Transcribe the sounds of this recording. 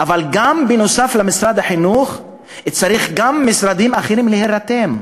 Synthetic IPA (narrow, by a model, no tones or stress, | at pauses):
ʔavalɡambenosaflamisɾad̪aħinuχ | et͡saɾiχɡamːisɾad̪imaχeɾimleheɾat̪em